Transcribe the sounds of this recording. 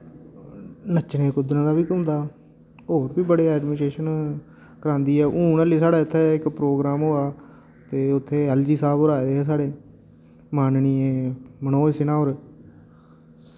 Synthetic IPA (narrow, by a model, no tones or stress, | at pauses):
nət͡ʃɽẽːkʊd̪ɾãːd̪aːbiːkəmnd̪aː | ɦoːɾbiːbəɽeːɛːɖmɪːsʈɾeːʃən | kəɾãːnd̪iːɛːʔũːnəliːsaːɽaːɪt̪ʰːɛːɪkpɾoːɡɾaːmɦoːaː | t̪eːʊt̪ʰːeːɛld͡ʒiːsaːbɾaːed̪eːɦɛːs̬aːɽeː | maːnniːẽːmənoːsɪnãːɦoːɾ